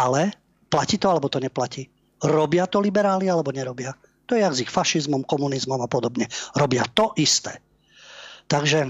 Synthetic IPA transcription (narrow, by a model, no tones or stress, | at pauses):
alɛ | placiːt̪ɔalɛbɔt̪ɔɲɛplaciː | ɾɔbɪat̪ɔlibɛɾaːlialɛbɔɲɛɾɔbɪa | t̪ɔjɛaɡzixfaʃizmɔmkɔmunizmɔmapɔd̪ɔbɲɛɾɔbɪat̪ɔʔist̪ɛ̰ː | t̪aɡʒɛ